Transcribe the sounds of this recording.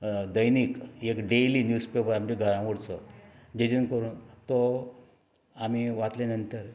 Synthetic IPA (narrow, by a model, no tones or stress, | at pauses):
d̪əjniːkekɖeliːnjuspepəɾamd͡ʑiɡʱəɾãʋəɽt͡sɔ | d͡ʑed͡ʑənkəɾuːnt̪ɔ | am̤iʋat̪lenənt̪əɾ